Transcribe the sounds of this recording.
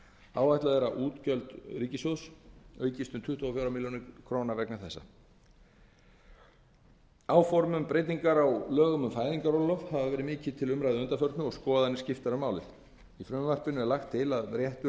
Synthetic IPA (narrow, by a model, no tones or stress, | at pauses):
aːwajht̪laðɛɾaʔuːt̪cœlt̪riːcɪsowsœːɥcɪst̪ʏmt̪ʰʏht̪ːɔːfjawɾamiljonɪkʰɾoːnavɛknaθɛsːa̰ | aːwfɔɾmʏmpɾeːjt̪̬iŋkaɾawlœːɣʏmʏmfaːjðiŋkaɾolɔfhavavɛːɾɪmɪːcɪðt̪ʰɪlʏmɾajðɪœnt̪afœɾt̪nʏɔɣskɔːðanɪscɪft̪aɾʏmːaːwlɪ̰ð | ifɾʏmvar̥pɪnʏɛɾlaxt̪ʰːɪlaðrjɛht̪ʏ